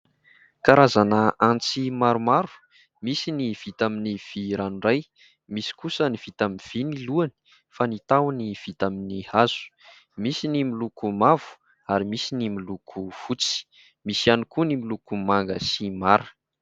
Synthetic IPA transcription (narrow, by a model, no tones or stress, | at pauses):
kaɾazanəant͡simaɾumaɾu̥ | misiniv̥it̪aminiv̥iɾanuɳɖ͡ʐaj | misi̥kusəniv̥it̪aminv̥iniluani̥ | fanit̪awniv̥it̪aminihaz̥u̥ | misinimilukumavu̥ | aɾimisinimilukʰuv̥ut͡si̥ | misianukunimilukumaŋɡəsimaɾə̥